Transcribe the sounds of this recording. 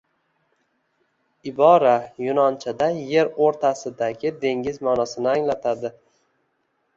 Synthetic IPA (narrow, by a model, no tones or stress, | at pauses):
ɪbɒɾajʊnɒnt͡ʃʰad̪aje̞ɾoɾt̪ʰasɪd̪aɡʲɪd̪e̞ŋɪzmɒnɒsɪnɪaŋlat̪ʰad̪ɪ